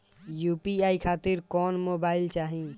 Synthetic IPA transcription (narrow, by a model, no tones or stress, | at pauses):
juːpiaːikʰaːt̪ɪɾkɔːnmoːbaːɪlt͡ʃaːɦĩ